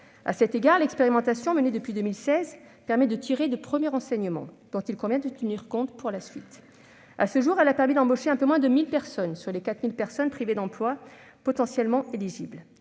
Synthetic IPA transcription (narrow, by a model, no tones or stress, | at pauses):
a̰sɛt̪eɡaʁlɛkspeʁimɑ̃t̪asjɔ̃məned̪əpɥid̪əmilsɛz | pɛʁmɛd̪ət̪ʰiʁed̪əpχəmjɛʁɑ̃sɛɲəmɑ̰̃d̪̥ɔ̃t̪ilkɔ̃vjɛ̃d̪ət̪əniʁkɔ̃t̪puʁlasɥit̪ | asəʒuʁɛlapɛʁmid̪ɑ̃boʃeɛ̃pømwɛ̃d̪əmilpɛʁsɔnsyʁlekat̪milpɛʁsɔnpχived̪ɑ̃plwa | pɔt̪ɑ̃sjɛlmɑ̃eliʒibl